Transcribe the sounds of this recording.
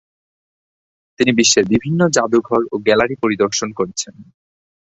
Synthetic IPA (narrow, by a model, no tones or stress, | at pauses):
t̪inibiʃːeɾbibʱinːod͡ʑad̪uɡʱɔɾoɡɛlaɾipoɾid̪oɾʃonkoɾet͡ɕʰen